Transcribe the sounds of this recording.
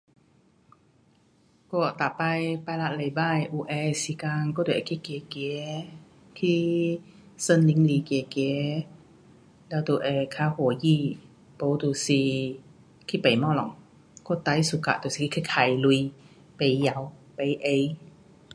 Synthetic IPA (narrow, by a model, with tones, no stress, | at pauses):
kɔ˧˩˨t̪a˨pa˧jpa˧˨la˧˥ʔla˨˧˩jbaː˧˥˨jʔuː˧ʔɛː˧si˧˦kaː˧ŋkɔ˧˥˨du˨˩kʰi˧˥˨keː˨˧˦keː˨˦ | t̪ʰiː˧˥˩ | sə˧˥˨nli˧˦ŋliː˧˦keː˨˩keː˨˧˦ | lɛː˧˥˩t̪uː˨˧ʔɛ˧kʰaː˧˩ho˨˦jiː˧˩ | po˧˦t̪uː˨˧˩siː˧ | kʰi˧˥˨pa˨jmɔ˧˨lɔ̰˨˦ŋ | kɔ˧˩˨t̪a˧˦jsu˧˦ka̰˧˨ʔt̪u˧˨si˧kʰi˧kʰa˧˩kʰaː˨˩˦jlu˧j | pa˨jja˨˦wpa˨˧jʔe˧j